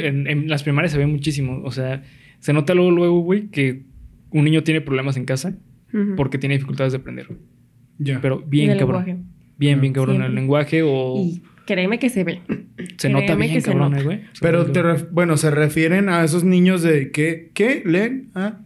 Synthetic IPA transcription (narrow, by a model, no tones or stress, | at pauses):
enenlaspɾimaɾjas̬e̞βemut͡ʃis̬imoʔo̰sea | se̞no̞t̪alweɣolwe̞ɣoɣwe̞jke̞ | unːĩɲo̞t̪jenepɾoβle̞mas̬e̞ŋkasa | po̞ɾket̪jeneifikult̪aðezðeapɾend̪eɾ | jape̞ɾo̞bjeŋkaβɾo | bjembjeŋkaβɾonelːeŋɡwaxeoi | kɾemekeseβese̞not̪aβekβonelwejspeɾot̪erebwe̞noserefje̞ɾenaes̬oznĩɲozðekekeleːna